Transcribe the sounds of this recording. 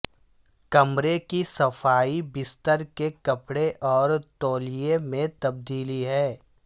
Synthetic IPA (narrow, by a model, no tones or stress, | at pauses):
kɐmɾekisɐfaːibɪst̪əɾkekɐpɽeʔɔːɾt̪oːlijemẽt̪ɐb̚d̪iːliɦɛː